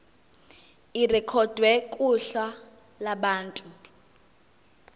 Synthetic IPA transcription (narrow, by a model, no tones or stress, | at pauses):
irɛkʰɔd̥ʱwɛkʼuɬa | laɓaːntʼu